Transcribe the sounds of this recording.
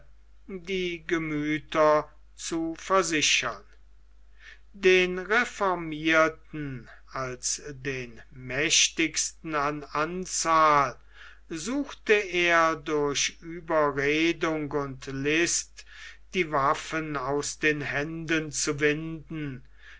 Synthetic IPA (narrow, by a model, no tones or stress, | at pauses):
diːɡəmyːtɐ | t͡sufɛɐzɪʃɐn | deːnʁefɔɐmiɐtn̩ | alsdeːnmɛʃtɪkstn̩anant͡saːl | zuːxtəeːɐdʊɐɕyːbɐʁeːdʊŋkʊntlɪstd̥iːvafənaʊsd̥eːnhɛndənt͡suvɪndn̩